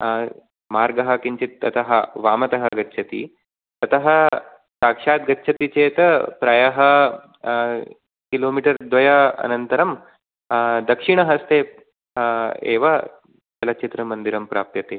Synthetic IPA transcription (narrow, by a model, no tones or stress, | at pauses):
maːɾɡɐɦɐ̆kiɲt͡ʃit̪̚ːɐt̪ɐɦɐʋaːmɐt̪ɐɦɐɡɐtːʃʰɐt̪ḭ | t̪ɐt̪ɐɦɐ | saːkʂaːt̪̚ɡɐtːʃʰɐt̪it͡ʃeːt̪ɐpɾaːjɐɦɐ | kiloːmiːʈɐɾd̪ʋɐjɐɐ̰nɐnt̪ɐɾɐm | d̪ɐkʂiɳɐɦɐst̪eː | ḛːʋɐ | d͡ʒɐlɐt͡ʃit̪ɾɐmɐnd̪iɾɐmpɾa̰ːp̚t̪jɐt̪eː